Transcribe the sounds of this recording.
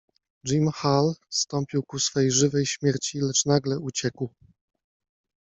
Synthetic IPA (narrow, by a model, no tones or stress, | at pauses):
d͡ʐimxalst̪ɔmpʲiwkusfɛjʐɘvɛjɕmʲjɛɾt͡ɕilɛt͡ʂnaɡlɛut͡ɕɛkw